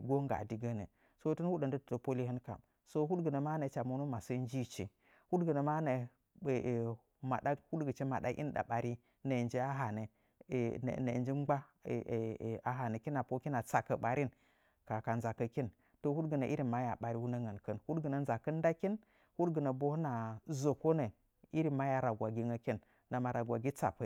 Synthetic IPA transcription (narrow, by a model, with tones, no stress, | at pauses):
ɡo˦ŋɡa̰˨di˨ɡə˦nə̰˨ | so˦tu˦nhu˦ɗə˨ndə˦tto˨po˦li˦hɨ˦nka̰˨m | so˦ɦu˦tɡə˨nə˨ma˦nə˨t͡ʃa˨mu˨˦nu˦ma˨sə˦n˦d͡ʒi˦t͡ʃḭ˨ | hu˦dɡə˨nə˨ma˦nə˨ | ma̰˨da˦hu˦dɡə˨t͡ʃe˦ma˨ɗa̰˦ʔḭ˦n˦da̰˨ɓa˨ɾi˦ | ne˨nd͡ʒe˦a˦ɦa˨nə̰˨ | nḛ˨nd͡ʒi˦ŋ͡mɡ͡ba˦˨ | a˨ɦa˨nə˨ki˦na˨po˦ki˦na˨t͡sa˨kə˨ɓa˨ɾi˦n | ka˨ka˨nza˨kə˨ki˦n | to˨hu˦dɡə˨nə˨ʔi˦ɾi˨ma˦ja˨ɓa˨ɾi˦wu˦nə˦ŋə˨nkə˦nhu˦dɡə˨nə˨n˦za˨kə˦nda˦ki˦n | hu˦dɡə˨nə˨bo˦hna˨zo˨ko˦nə˨ | i˦ɾi˨ma˦ja˨ɾa˨ɡʷa˨ɡʲi˦ŋə˦kʲi˦n | na˨ma˨ɾa˨ɡʷa˨ɡʲi˦t͡sa̰˨pə˨˦